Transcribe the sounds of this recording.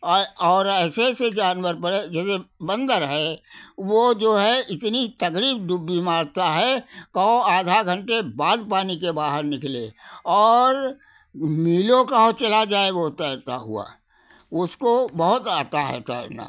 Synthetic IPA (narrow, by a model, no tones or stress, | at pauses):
ɔːɾɛːsesed͡ʒaːnwəɾpəɽed͡ʒɛːsebə̃nd̪əɾɦɛʋod͡ʒoːɦɛɪt̪nit̪ɐkɾiːbd̪ʊbːimaːɾt̪aɦɛkɔõaːd̪ʱaɡʱə̃ɳʈebaːd̪paːnikebaːɦəɾnɪklḛɔːɾ | miːlõkaɦot͡ʃɐlad͡ʒaːeɡot̪ət̪a̰ɦʊ̰a̰ | ʊskobəɦʊt̪aːt̪aɦɛ̰t̪a̰na̰ː